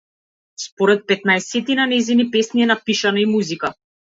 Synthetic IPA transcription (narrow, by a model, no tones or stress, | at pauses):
spɔɾɛt̪̚pɛt̪̚naɛsɛt̪inanɛzinipɛsniɛnapiʃanaimuzika